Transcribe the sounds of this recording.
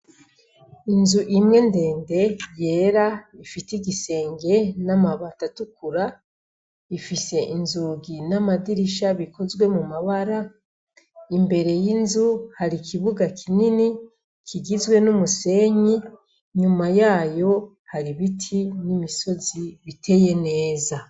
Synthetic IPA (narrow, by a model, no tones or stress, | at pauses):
inzuʔimŋe̞nde̞ːnde̞je̞ɾaifitiɡise̞ːŋɡe̞namaβatatukuɾa | ifise̞ʔinzuːɡinamadiɾiʃaβikʰo̞zɡwe̞mumaβaɾa | imbe̞ɾe̞jinzuhaɾikʰiβuɡakʰinini | kʰiɡizwe̞numuse̞ɲi | ɲumajaːjo̞ | haɾiβitʰinimiso̞ziβitʰe̞je̞ne̞ːza